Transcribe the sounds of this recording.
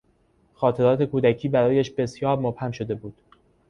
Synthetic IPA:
xɒːt̪ʰe̞ɾɒːt̪ʰe̞kuːd̪æcʰiːbæɾɒːjæʃbe̞sjɒːɾmob̥hæmʃo̞d̪e̞buːd̪̥

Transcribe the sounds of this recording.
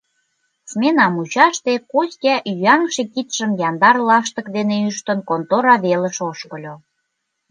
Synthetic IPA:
smenɑmut͡ɕɑʃt̪ekosʲkʲæʔyɑŋʃekit̪ʃə̆mjɑnd̪ɑrlɑʃt̪ə̆kd̪eneyʃt̪ə̆nkont̪oɾɑβelə̆ʃoʃkə̆lʲo

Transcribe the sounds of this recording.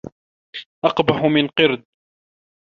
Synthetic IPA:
ʔɑqbaħʊmɪnqɨɾd̪̚

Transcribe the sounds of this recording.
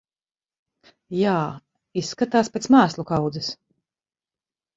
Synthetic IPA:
jaː | isːkat̪aːspʲeːt̪smaːslˠukawd̪zɛs

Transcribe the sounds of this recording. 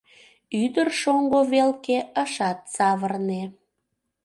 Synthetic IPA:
yd̪ərʃoŋɡoβelkeəʃɑt̪̚sɑβərne

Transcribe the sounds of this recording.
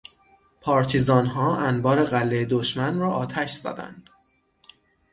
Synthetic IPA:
pʰɒːɾt̪ʰizɒːnɦɒːænbɒːɾe̞ɣælːejed̪oʃmænrɒːʔɒːt̪ʰæʃz̥ɒ̰d̪æ̰nd̪̥

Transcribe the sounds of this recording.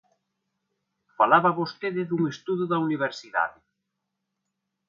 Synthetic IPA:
falaβaβost̪eðɪðuŋest̪uðʊðauniβ̞eɾsiða̰ðɪ

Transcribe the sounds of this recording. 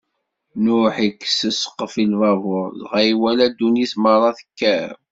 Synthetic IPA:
nʊħikːsəsə̥qːəfilvɑvʊɾˤzʁæjwælæd̪ːunismərˤːɑθə̥kːæ

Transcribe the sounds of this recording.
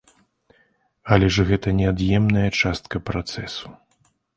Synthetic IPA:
ɐlʲɛʐɣɛt̪ɐnʲɛad̪jɛmnɐjɐt͡ʂast̪kɐpɾat̪sɛsu̥

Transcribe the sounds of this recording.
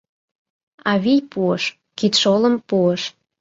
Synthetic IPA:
ɑβijpuəʃ | kit̪ʃolə̆mpuəʃ

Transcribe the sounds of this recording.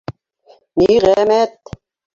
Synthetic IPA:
niʁæmæt̪

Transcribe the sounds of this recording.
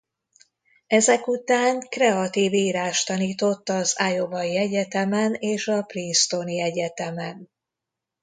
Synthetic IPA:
ɛzɛkut̪aːŋkrɛɒt̪iːviːɾaːʃt̪ɒniːt̪o̞t̪ːɒzajo̞vɒjiɛɟɛt̪ɛmɛneːʃɒplinst̪o̞niɛɟɛt̪ɛmɛn

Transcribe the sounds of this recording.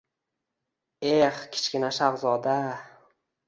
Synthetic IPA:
e̞χkʲʰɪ̥t͡ʃʲkʲɪnaʃaʁzɒd̪a

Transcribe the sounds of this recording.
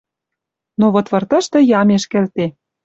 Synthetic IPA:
noβŏt̪βɤ̆rt̪ɤ̆ʃt̪ɤ̆jɑmeʃkelt̪e

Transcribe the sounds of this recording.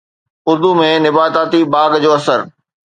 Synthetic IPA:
ʊɾd̪umẽnɪbaːt̪aːt̪ibaːɡd͡ʑoːɐsəɾ

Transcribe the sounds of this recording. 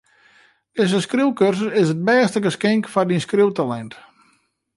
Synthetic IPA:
ɪsəskriwkørsəɪsət̚bɛːstəɡəskɪŋkfɔdinskriwtalɛnt

